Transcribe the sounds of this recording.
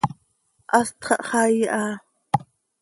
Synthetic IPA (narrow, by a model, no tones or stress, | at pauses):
ʔɑst̪χɑʔχɑjʔaː